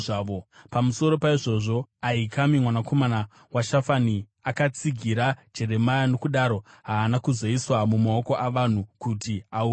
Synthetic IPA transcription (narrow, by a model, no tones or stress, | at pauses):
aʋopamuso̞ɾo̞paiʐo̞ʐo̞aikamimwanako̞mana | waʃafani | akat͡siɡʱiɾḁd͡ʒe̞ɾe̞majano̞kuɗaɾo̞ɦaːnakuzo̞iswamumao̞ko̞ʔaʋan̤ukutiau